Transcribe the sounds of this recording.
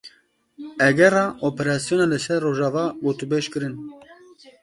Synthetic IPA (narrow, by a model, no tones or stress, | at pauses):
ɛɡɛrɑːʔopɛɾɑːsijoːnɑlɨsɛɾːoːʒɑːvɑːɡoːt̪ubeːʃkɨɾɨn